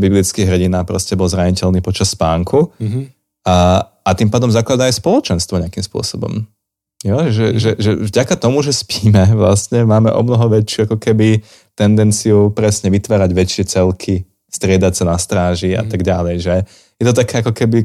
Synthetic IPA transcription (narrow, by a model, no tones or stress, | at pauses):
biblit͡skiɣɦr̩ɟinaːpɾɔscɛbɔlzɾaɲicɛlniːpɔt͡ʃasːpaːŋku | at̪impaːd̪ɔmzaklad̪aajspɔlˠɔt͡ʃɛnst̪ʋɔɲɛakimspʊɔ̰sɔbɔ̰m | jɔʒɛʒɛʒɛvɟakat̪ɔmuʒɛspiːmɛʋla̰sɲɛmaːmɛ̰ʔɔ̰mnɔɦɔʋɛt͡ʃɪuakɔkɛbi | t̪ɛnd̪ɛnt͡siupɾɛsɲɛʋit̪ʋaːɾaɟʋɛt͡ʃɪɛt͡sɛlkʰi | st̪ɾɪɛd̪acsanast̪ɾaːʒia̰t̪aɡɟalɛjʒɛ | jɛt̪ɔt̪akʰɛːakɔkɛbi